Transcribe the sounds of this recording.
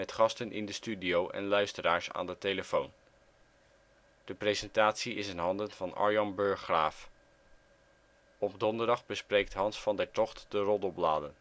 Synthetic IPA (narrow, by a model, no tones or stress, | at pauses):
ɛtχɑstənʔɪ̰ndəstydiowʔɛ̰nlœɥstəraːɹsa̰ːndətejləfown | d̥əprezɛntaːtsiɪsənɦɑndənv̥ɑnɑ̰ɹjɑnbɵɹχraːf | ɔpdɔndəɹdɑχbəsprejk̚tɦɑnsfɑndɛɹtɔχtd̥ərɔdɔblaːdən